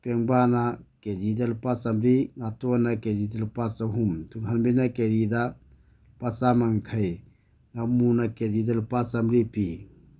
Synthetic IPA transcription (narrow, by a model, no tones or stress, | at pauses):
peŋbanaked͡ʒid̪əlpasɐmɾiŋat̪onaked͡ʒid̪əlpasəɦumt̪uɡʱɐnbinakeɾid̪a | pɐsamɐŋkʰəj | ŋamunaked͡ʒid̪əlpasɐmɾipi